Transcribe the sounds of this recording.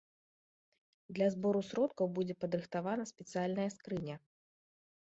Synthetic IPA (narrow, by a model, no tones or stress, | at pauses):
d̪lʲɐzbɔɾusɾɔt̪kɐwbud͡zʲɛpɐd̪ɾɨxt̪avanɐsʲpʲɛt̪sɨjalʲnɐjɐskɾɨnʲɐ